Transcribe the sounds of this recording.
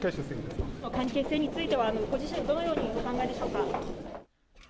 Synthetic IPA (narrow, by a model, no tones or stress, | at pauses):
kaɕɨsekʲid̪esmokãŋke̞ːse̞ːɲ̟it͡sɨit̪e̞βaːno̞ɡo̞d͡ʑiɕĩod̪o̞no̞jo̞ːɲ̟iokãŋɡaed̪e̞ɕo̞ːka